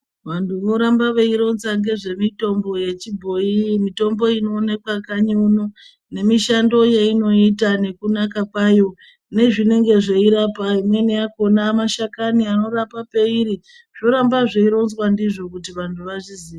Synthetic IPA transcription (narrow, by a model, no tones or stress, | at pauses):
ʋantʰuno̞ɾambaʋe̞iɾo̞nzaŋɡe̞ʐe̞mito̞mbo̞je̞t͡ʃibʱo̞imito̞mbo̞ino̞ːnekwakaɲuno | ne̞miʃando̞jeino̞itane̞kunakakwajo̞ | ne̞ʐine̞ŋɡe̞ʐeiɾapaimwe̞neako̞namaʃakaniano̞ɾapape̞iɾi | ʐ̥o̞ɾambaʐeiɾo̞nzwandiʐo̞kut̬iʋantʰuʋaʐiziːa